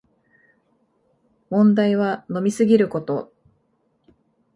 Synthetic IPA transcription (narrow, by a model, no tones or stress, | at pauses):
mõ̞nd̪aiβ̞ano̞mʲisɨɡʲiɾɯ̟ko̞t̪o̞